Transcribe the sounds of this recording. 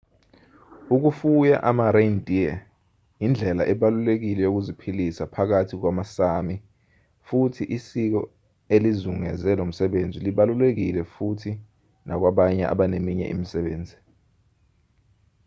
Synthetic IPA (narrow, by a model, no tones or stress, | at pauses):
uk̬ufuja̰ʔamarendʱʼiɛ | jind͡ɮʱɛla̰ʔɛɓalulek̬ilɛjok̬uzipʰilisapʰak̬atʰik̬wamasami | futʰiʔisik̬ɔ̰ | elizuŋɛzɛlom̩sɛɓend͡zʱiliɓalulek̬ilɛfutʰi | nʔak̬waɓaɲɛ̰ʔa̰ɓanemiɲɛ̰ʔḭmisɛɓeːnd͡zʱi